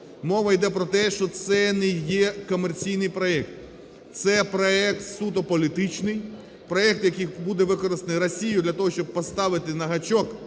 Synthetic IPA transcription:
mɔʋɐjd̪ɛpɾɔt̪ɛʃt͡ʃɔt̪sɛnɛjɛkɔmert͡sʲijnɪjpɾɔɛk̚t̪ | t̪sɛpɾɔɛkt̪sut̪ɔpɔlʲit̪ɪt͡ʃnɪj | pɾɔɛk̚t̪jɐkɨjbud̪ɛʋɪkɔɾɪst̪enɪrɔsʲijʊd̪lʲɐt̪ɔɦɔʃt͡ʃɔb̚pɔst̪ɑʋɪt̪ɪnɐɦɐt͡ʃɔk

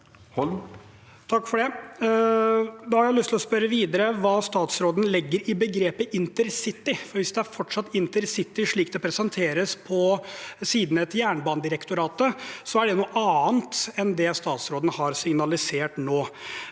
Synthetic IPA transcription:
h | t̪ʰɑkːfɔɖɛ | d̪ɑhɑɾjæɪlʏst̪ʰɪlɔspœɾəʋiːd̪əɾəʋɑːst̪ɑːt̪sɾoːd̪n̩lɪɡːəɾɪbəɡɾeːpəʔɪnt̪əɾsɪt̪ːɪfɔɾʋɪsd̪ɛæɾfɔʈːʂɑt̪ːɪnt̪əɾsɪt̪ːɪʂɭiːk̚d̪ɛpʰɾɛsɛnt̪ʰeːɾəspʰɔsiːd̪n̩ɛt̪jæːɳbɑːnd̪ɪɾɛkt̪ʊɾɑːt̪əsɔæɖɛnuːʔɑːnt̪ɛnd̪ɛst̪ɑːt̪sɾoːd̪nəhɑɾsɪŋnɑlɪseːʈnoː

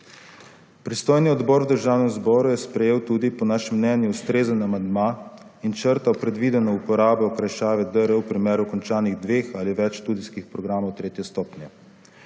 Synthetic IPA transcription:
pɾist̪oːjniɔd̪bɔːɾwd̪əɾʒaːwnɛmzbɔːɾujɛspɾɛjeːwt̪uːd̪ipɔnaːʃɛmːnɛnjuust̪ɾeːzənamand̪maː | int͡ʃəɾt̪awpɾɛd̪ʋiːd̪ɛnɔupɔɾaːbɔɔkɾajʃaːʋɛd̪əɾəwpɾimeːɾukɔnt͡ʃaːniɣd̪ʋeːxaliʋɛt͡ʃʃt̪uːd̪iskixpɾɔɡɾaːmɔwt̪ɾeːt̪jɛst̪ɔːpnjɛ

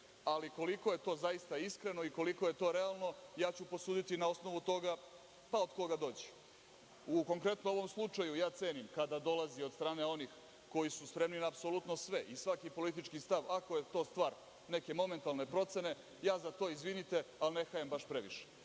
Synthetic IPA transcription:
aliko̞liko̞je̞t̪o̞ːzajist̪aiskɾe̞no̞iko̞liko̞je̞t̪o̞ɾe̞alˠno̞jaːt͡ɕupo̞suːd̪it̪inao̞sno̞ʋut̪o̞ɡa | paod̪ko̞ɡad̪o̞ːd͡ʑi̥ | uko̞ŋkɾe̞t̪noo̞ʋo̞mslˠut͡ʂajujaːt̪se̞ːnimkad̪ad̪o̞laziod̪st̪ɾaːne̞o̞nix | ko̞jisuspɾe̞mninaːpso̞lut̪no̞sʋe̞ʔisʋakipo̞lit̪̬it͡ʃkist̪aʋako̞jet̪o̞ːst̪ʋaːɾ | ne̞ke̞mo̞me̞nt̪alˠne̞pɾo̞t̪se̞ne̞ | jaːzat̪o̞ːizʋinit̪e̞alne̞xajambaʃpɾeʋḭʃe̥

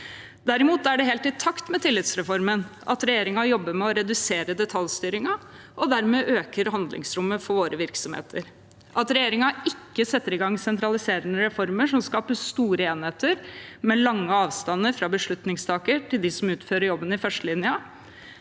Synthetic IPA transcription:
d̪æɾɪmuːt̪æɖɛɦeːlt̪ɪt̪ʰɑkt̪mɛt̪ʰɪlːɪt̪sɾɛfɔɾmənʔɑ̰t̪ɾɛjeːɾɪŋɑjɔbːəmɛɔɾɛd̪ʉseːɾəd̪ɛt̪ʰɑljst̪yːɾɪŋɑ | ʔɔd̪æɾmɛːʔøːkəɾɦɑnd̪lɪ̰ŋsɾʊmːəfɔɾʋoːɾəʋɪɾksɔmhḛːt̪ʰəɾ | ʔɑt̪ɾɛjeːɾɪŋɑɪkːəsɛt̪ːəɾɪɡɑŋːsɛnt̪ɾɑlɪseːɾənəɾɛfɔɾməʂɔmskɑːpəst̪uːɾəeːnheːt̪əɾmɛlɑŋːəɑːʋst̪ɑnːəɾfɾɑbəʂɭʉt̪nɪŋst̪ʰɑːkəʈʰɪld̪ɪsɔmʉːt̪føːɾəɾjɔbːənɪfœʂʈəlɪnjə

